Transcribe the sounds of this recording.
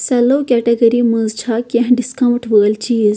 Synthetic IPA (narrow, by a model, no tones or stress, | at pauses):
sɐloːkʲɛʈeɡɐɾimə̃zt͡ʃʰakɐ̃ɦɖiskɐwʈʋəːlt͡ʃiːz